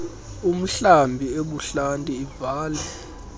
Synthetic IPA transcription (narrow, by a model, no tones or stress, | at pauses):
um̩ɬambʱieɓuɬantʼiːvaːlɛ